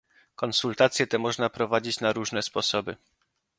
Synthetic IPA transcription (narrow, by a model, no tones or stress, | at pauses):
kɔnsult̪at̪sʲjɛt̪ɛmɔʐnapɾɔvad͡ʑit͡ɕnaɾuʐnɛspɔsɔbɘ